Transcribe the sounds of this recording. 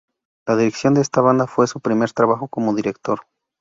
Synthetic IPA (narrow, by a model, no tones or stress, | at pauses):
laðiɾeksjo̞nd̪eest̪aβ̞and̪afwe̞supɾime̞ɾt̪ɾaβaxo̞ko̞mo̞ðiɾe̞k̚t̪o̞ɾ